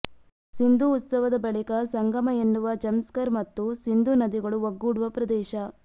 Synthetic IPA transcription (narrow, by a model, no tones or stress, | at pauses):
sind̪uːt̪sɐʋɐd̪ɐbɐɭikɐsɐŋɡɐmɐenːuʋɐd͡ʒɐmskɐɾmɐt̪ːusind̪unɐd̪iɡɐɭuoɡːuːɽuʋɐpɾɐd̪ɛːʃɐ